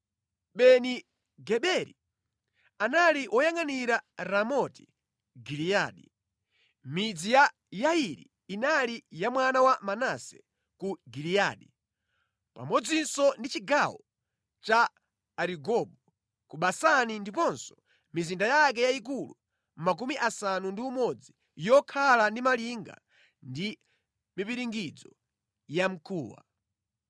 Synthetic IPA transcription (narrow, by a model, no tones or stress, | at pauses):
ɓɛni | ɡɛɓɛɾḭ | analiʔɔjaŋaniɾaɾamɔti̥ | ɡilijaɗi | mid͡zija | jaiɾḭːnalijamwanawamanasɛ | kuɡilijaɗi | pa̰mɔd͡zinsɔndit͡ʃiɡawɔ | t͡ʃaː | ɾiɡɔɓɔ | kuɓasanindipɔnsɔ̥ | mizindajak̬ɛjaik̬ulṵ | mak̬umiʔasanundiumɔd͡zi | jɔkʰalandimaliŋɡa̰ | ndi | mipiɾiŋɡid͡zɔ | jam̩kʰuːwa̰